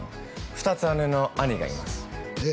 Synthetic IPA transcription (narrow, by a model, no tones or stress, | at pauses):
ɸɯ̟t̪at͡sɨanɯno̞aɲiɡa̰ḭma̰sɨ̥